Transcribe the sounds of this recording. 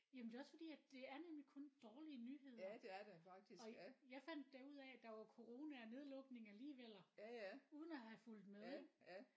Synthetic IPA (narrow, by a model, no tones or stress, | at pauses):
jæmnd̥e̝ɒ̽sfɒ̽d̥ḭːæ̥e̝æɐnemlikʰɔ̽nd̥ɒːliənyɦe̝ð̰ɐd̥ed̥efɑɡ̥̚d̥isɒ̽jɑ̈ɪfæn̰d̥ːæuð̞̰ˠɛd̥ɑ̈ʋɑ̈kʰo̝ʁo̝ːnæne̝ð̞ˠlɔ̽ɡ̥ne̝ŋɐliːʋel̰ɐuːð̞ˠn̩æhæful̰d̥meðˠ